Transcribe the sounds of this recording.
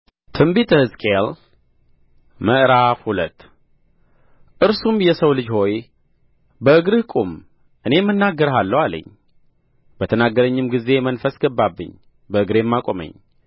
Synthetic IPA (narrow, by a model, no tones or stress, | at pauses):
t̪ʰɨmbit̪ʰəhɨzkʼel | məʔɾafhulə̰t̪ː | ʔɨɾsumjɛsəwlɨd͡ʒho̞j | bəɨɡɾɨhkʼum | ʔɨne̞mːɨnːaɡːəɾɦalːəwalə̰ɲː | bət̪ʰənaɡːəɾəɲːɨmɡize̞mənfəsɡəbːabːɨ̰ɲː | bəɨɡɾemːakʼomə̰ɲː